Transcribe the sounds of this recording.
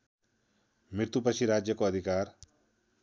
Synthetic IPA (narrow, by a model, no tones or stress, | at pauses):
mɪɾt̪upəʃiɾaːd͡ʒjəkoɐd̪ʱɪkaːɾ